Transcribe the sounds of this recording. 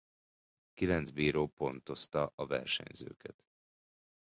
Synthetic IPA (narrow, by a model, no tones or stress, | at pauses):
kilɛnt̪zbiːɾoːpo̞nt̪o̞st̪ɒʔɒvɛrʃɛ̰ɲzø̰ːkɛt̪